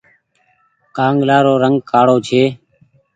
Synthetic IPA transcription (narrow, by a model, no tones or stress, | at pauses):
kaːŋɡlaːɾoːɾəŋɡkaːɽoːt͡ʃʰeː